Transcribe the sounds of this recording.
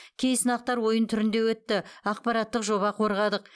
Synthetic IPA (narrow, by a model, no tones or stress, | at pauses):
kʲʰe̞jsənɑq̚t̪ɑɾwo̞jənt̪ʰʏɾɪnd̪e̞wɵt̪ːɪɑqpɑɾɑt̪ːəqʒo̞βɑqʰo̞ɾʁɑd̪əq